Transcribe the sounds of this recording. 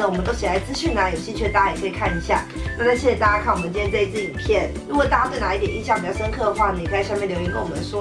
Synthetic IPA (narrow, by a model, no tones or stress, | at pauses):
əwɔənt̪oʊt͡ɕʰilaɪt͡sɹ̩ɕynəjoʊɕit͡ɕʰɛt̪ajaɛkʰɤikʰaniɕja̰ | nanaɕʰjiʂɻ̩t̪at͡ɕjakʰanwɔənt͡ɕijɛt͡sweit͡sɹ̩ipʰjɛn | ɻukɔt̪at͡ɕat̪weɪnait̪jɛniɕjwʂəŋkʰɤd̪əxwanəkʰəɕjmjɛnljoʊinkwwɔəʂwɔ